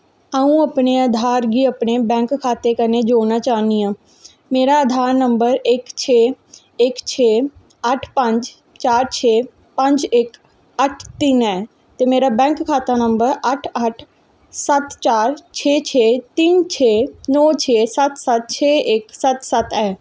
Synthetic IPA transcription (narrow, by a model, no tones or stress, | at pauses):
əũəpneəd̪ʱaːɾɡiəpnebɛ̃ːŋkkʰːaːt̪ekəned͡ʒoːnat͡ʃaːnijãː | meːɾaəd̪ʱaːɾnəmbəɾɪkt͡ʃʰeː | ɪkt͡ʃʰeː | əʈʰpə̃ɲd͡ʒ | t͡ʃaːɾt͡ʃʰeː | pə̃ɲd͡ʒɪk | əʈʰt̪iːnɛː | t̪emeːɾabɛ̃ːŋkkʰːaːt̪anə̃mbəɾəʈʰəʈʰ | sət̪t͡ʃaːɾt͡ʃʰeːt͡ʃʰeːt̪iːnt͡ʃʰeːnɔːt͡ʃʰeːsət̪sət̪̚t͡ʃʰeːɪksət̪sət̪ɛː